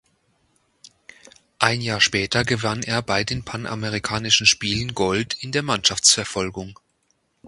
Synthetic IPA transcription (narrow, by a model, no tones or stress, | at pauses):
ʔaɪnjaːɐʃpɛːtʰɐɡəvaneːɐbaɪdeːnpʰanʔa̰məʁ̞ikʰaːnɪʃn̩ʃpiːlənɡɔltɪndeːɐmanʃaft͡sfɛɐfɔlɡʊŋ